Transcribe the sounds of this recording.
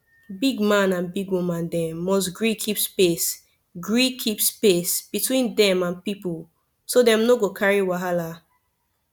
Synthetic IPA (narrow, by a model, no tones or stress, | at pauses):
biɡmãnãnbiɡwumãndɛ̃mːɔs̬ɡɹikʰipspes | ɡɹikʰipspesb̥itwĩndɛ̃mãnpipul | sodɛ̃mnoɡokʰaɹiwaɦala